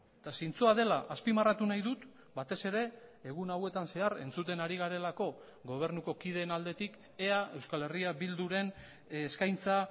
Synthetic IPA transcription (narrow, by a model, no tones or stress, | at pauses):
t̪asint͡soaðe̞laʔaspimarat̪unajðut̪ | bat̪e̞se̞ɾe̞ːɣ̞unawe̞t̪anse̞aɾe̞̰nt͡sut̪e̞naɾiɣaɾe̞lako̞ | ɣo̞β̞e̞ɾnuko̞kið̞e̞nald̪e̞t̪ik | eae̞wskale̞riaβild̪uɾe̞nː | skajnt͡sa